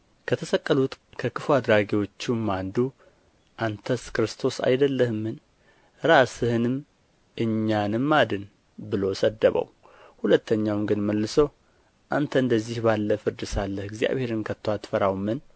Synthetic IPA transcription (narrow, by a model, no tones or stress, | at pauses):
kʰət̪ʰəsəkʼːəlut̪kʰəkɨfuad̪ɾaɡewo̞t͡ʃːumːand̪u | ʔant̪ʰəskɾɨst̪ʰo̞sa̰jd̪əlːəhɨmːɨn | ɾasɨhɨnɨm | ʔɨɲːanɨmːad̪ɨn | bɨlo̞səd̪ːəβə̰w | hulət̪ʰːəɲːawmɡɨnməlːɨsəw | ʔant̪ʰəɨnd̪əzːihbalːəfɨɾd̪ɨsalːəhɨɡzija̰βhe̞ɾɨnkʰət̪ʰːowat̪fəɾawmːɨn